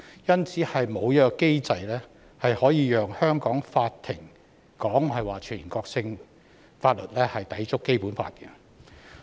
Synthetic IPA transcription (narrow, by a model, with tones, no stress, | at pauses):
jɐ˥nt͡sʰiː˨˥hɐ˨jmo˨˧wjɐ˥œː˥˨kke˥jt͡sɐ˧jlɛː˥ | hɐ˨jhɔː˨˥jiː˨˧jœː˨ŋhœː˥ŋkɔː˨˥ŋfaː˧t̪ʰːɪ˨˩ŋ | kɔː˨˥ŋhɐ˨jwaː˨˩t͡ʃʰyː˨˩˨nkɔː˧k̚sɪ˧ŋ | faː˧t̚lɵ˨t̚lɛː˥hɐ˨jt̪ɐ˨˥jt͡sʊ˥kːe˥jpuː˨˥nfa̰ː˧t̚kɛ˧